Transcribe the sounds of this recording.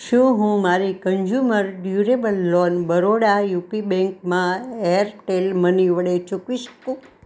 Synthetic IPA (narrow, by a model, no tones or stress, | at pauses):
ʃũɦũmaɾikəɲd͡ʒuməɾɖjuɾebəlːɔnbəɾoɽajupibɛ̃ŋkmãeəɾʈelməniʋəɽet͡ʃukʋiʃə̥kũ